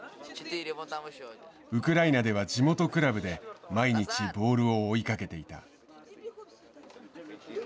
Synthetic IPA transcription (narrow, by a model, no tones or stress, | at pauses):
ɯ̟kɯ̟ɾainad̪e̞β̞aʑimo̞t̪o̞kɯ̟ɾabɯ̟d̪e̞maiɲ̟it͡ɕibo̞ːɾɯ̟o̞ːikake̞t̪e̞it̪a̰